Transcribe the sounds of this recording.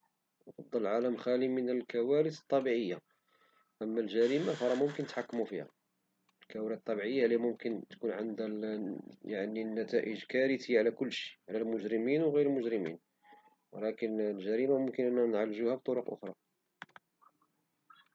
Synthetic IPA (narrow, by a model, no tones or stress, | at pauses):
nɑfɑd̪ˤːɑlʕaləmxælimənəlkæwæɾəsə̥t̪ˤːɑbiʕəjːa | ʔəmːælʒæɾimafɑɾˤɑmʊmkənət̪ħakːmufihæ̰ | lkæwæɾit̪t̪ˤːɑbiʕəjːahlimʊmkənt̪kunʕənd̪æ | jaʕninːæt̪æʔəʒkæɾət̪iːʕalækʊlːʃi̥ʕlælmʊʒɾəminwɣiɾəlmʊʒɾəmḭn | wəlækənlʒæɾimamʊmkənʔənːnʕalʒuhæbt̪ˤoɾʊqʔʊ̰xɾˤɑ